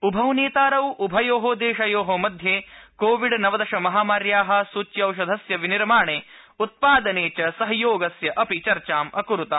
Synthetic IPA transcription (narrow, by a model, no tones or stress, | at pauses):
ubʱɐwneːt̪aːɾɐwʔubʱɐjoːɦoːd̪eːʃɐjoːɦomɐd̪ʱjeːkoːʋiɖnɐʋɐd̪ɐʃɐmɐɦaːmaːɾjaːɦɐ̆sut͡ʃjɐɐwʃ̬ɐd̪ʱɐsjɐʋiniɾmaːɳeː | ut̪̚paːd̪ɐneːt͡ʃɐsɐɦɐjoːɡɐsjɐʔɐpit͡ʃɐɾt͡ʃaːmʔɐkuɾut̪ɐ